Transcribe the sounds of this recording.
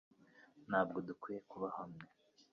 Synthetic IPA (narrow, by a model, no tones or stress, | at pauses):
n̥haːb̚ɡo̞dukwiːje̞kuβahamŋe